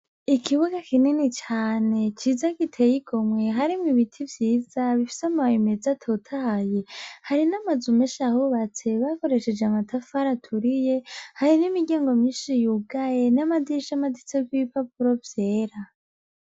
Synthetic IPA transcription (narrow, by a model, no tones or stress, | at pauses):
ikʰiβuɡakininit͡ʃaːne̞t͡ʃizaɡitʰe̞jiɡo̞mwe̞ɦaɾimŋiβitʰivjiːz̥aβifi̥samawime̞d͡zatʰotʰahajehaɾinamazumeʃahuβat͡se̞βako̞ɾe̞ʃe̞d͡ʒeamatʰafaɾatʰuɾije̞haɾinimiɡaːŋɡo̞miːnʃijuɡaje̞namadiʃamadit͡sekwiβipʰapuɾo̞vjeːɾa